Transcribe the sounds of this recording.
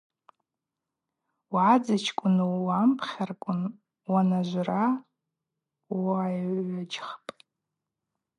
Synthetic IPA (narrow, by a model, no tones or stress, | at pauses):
wʕad͡zat͡ʃʰkʷʼʊnuwampʰχʲarkʷʼʊn | wanaʒʷra | ajad͡ʒχpʼ